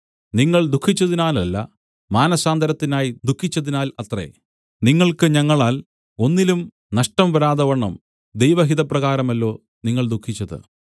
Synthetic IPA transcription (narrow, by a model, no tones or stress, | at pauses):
niŋːɐɭd̪ukʰːit͡ɕːɐðinaːlɐlːɐ̰ | maːnɐsaːnd̪ʱɐɾɐt̪ːinaːjid̪ukʰːit͡ɕːɐðinaːlɐt̪rḛ | niŋːɐɭkɨɲɐŋːɐɭaːl | o̞nːilum | nɐʂʈɐmʋɐɾaːðɐʋɐɳːɐm | d̪ejʋɐɦiðɐprɐɣaːɾɐmɐlːo̞ː | niŋːɐɭd̪ukʰːit͡ɕːɐðɨ̰